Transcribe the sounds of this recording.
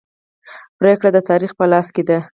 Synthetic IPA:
pɾekɽad̪ət̪ɑɾixpəlɑsked̪a

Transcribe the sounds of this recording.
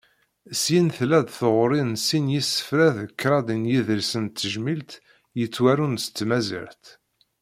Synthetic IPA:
sinθlæd̪θoʁɾˤinsinjisːə̥fɾæðəkːɾˤɑd̪injiðəɾsənt̪ːəʒmilt̪ | jət͡sːwæɾunsə̥t͡sːmæzḭɾt̪

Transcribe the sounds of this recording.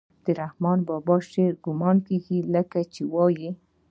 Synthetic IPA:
d̪̥əɾahmɑnbɑbɑʃeɾɡʊmɑnkeɡiləkat͡ʃewɑji

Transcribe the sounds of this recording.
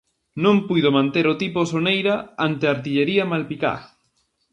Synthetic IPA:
nõmpujðomãnt̪eɾot̪iposonejɾaant̪eaɾt̪̬iʎeɾiamalpika̰

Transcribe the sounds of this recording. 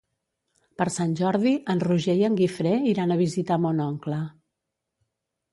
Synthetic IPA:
pəɾsanʲʒɔɾðiʔənruʒɛjəŋɡifɾeiɾanəβizit̪amonɔŋklə

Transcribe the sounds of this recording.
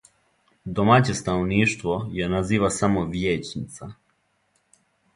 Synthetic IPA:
d̪o̞maːt͡ɕe̞st̪anoʋniːʃt̪ʋojenaziːʋasamo̞ʋjeːt͡ɕnit̪sa

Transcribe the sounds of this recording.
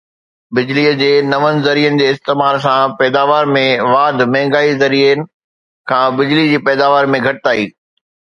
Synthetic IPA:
bɪd͡ʑliːəd͡ʑeːnɐʋənɪ̆zɐɾiːənɪ̆d͡ʑeːɪst̪eːmaːɾs̬ãpɛːd̪aːʋaːɾmẽʋaːd̪ʱmɛ̃ɦɪ̃ŋɡaːizɐɾinɪ̆ | kʰãːbɪd͡ʑlid͡ʑiːpɛːd̪aːʋaːɾmẽɡʱɐʈɪt̪aːiː

